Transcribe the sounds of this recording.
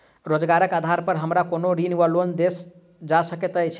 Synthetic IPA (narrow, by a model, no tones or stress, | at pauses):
ɾod͡ʒɡaɾəkad̪ʱaɾpəɾɦəmɾakonoɾinʋəlond̪es | d͡ʒasəket̪əjt͡ʃʰ